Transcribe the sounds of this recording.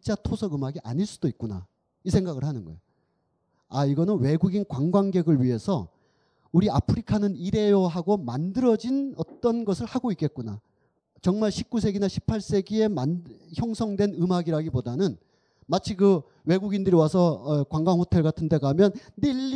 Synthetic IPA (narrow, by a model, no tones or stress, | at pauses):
t͡ɕ͈atʰosʰʌɡɯmaɡiʔa̰ɲiɭs͈ud̥oik̚k͈una̰ | isʰe̞ŋɡaɡɯɭhanɯnɡʌ̰jo | aiɡʌnɯnwe̞ɡuɡinkwaŋɡwaŋɡe̞ɡɯɭɥiɦe̞sʰʌ | uɾiapʰɯɾikʰanɯniɾe̞jʌɦaɡomandɯɾʌd͡ʑinʌt͈ʌnɡʌsʰɯɭhaɡoik͈e̞t̚k͈una | t͡ɕʌŋmaɭɕʰip̚k͈us̬ʰe̞ɡinaɕʰi̥pʰaɭs͈e̞ɡie̞mançjʌŋsʰʌŋdwe̞nɯmɦaɡiɾaɡibodanɯn | mat͡ɕʰikɯ | we̞ɡuɡindɯɾiwas̬ʰʌkwaŋɡwaŋhotʰe̞ɭɡatʰɯnde̞ɡamjʌnːiʎː